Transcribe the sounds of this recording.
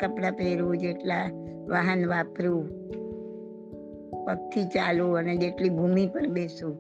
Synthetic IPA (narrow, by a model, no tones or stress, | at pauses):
kəpɽapeɾud͡ʒeʈla | ʋaɦənʋapɾu | pək̚t̪ʰit͡ʃaluəned͡ʒeʈlibʱumipəɾbesu